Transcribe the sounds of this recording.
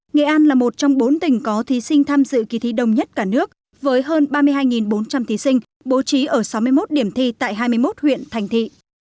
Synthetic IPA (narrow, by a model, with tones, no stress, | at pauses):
ŋḛ˧˨ʔaː˧nlaː˨˩mo˨˩t̚t͡ɕɔ˧wŋ͡mɓo˨˦nt̪ï˨˩ŋ̟kɔ˨˦t̪ʰi˨˦sï˧ŋ̟t̪ʰaː˧mzɨ̰˧˨ki˨˦t̪ʰi˨˦ɗə˨˩wŋ͡mɲə˦˥t̚kaː˧˩nɨ˦˥ək̚ | vəː˨˦jɦəː˧nɓaː˧mɨ˧əɦaː˧jŋi˨˩nɓo˨˦nt͡ɕa˧mt̪ʰi˨˦sï˧ŋ̟ | ɓo˨˦t͡ɕi˨˦ʔəː˧˩sa˨˦wmɨ˧əjmo˦˥t̚ɗi˧˩əmt̪ʰi˧t̪a̰ː˧˨jɦaː˧jmɨ˧əjmo˦˥t̚hwḭ˧˨ənt̪ʰa˨˩jŋ̟t̪ʰḭ˧˨